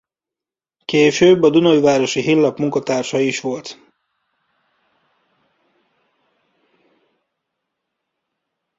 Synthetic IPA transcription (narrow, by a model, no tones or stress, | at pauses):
keːʃøːbːɒd̪unojvaːɾo̞ʃiɦilːɒpmuŋkɒt̪aːrʃɒiʃʋo̞lt̪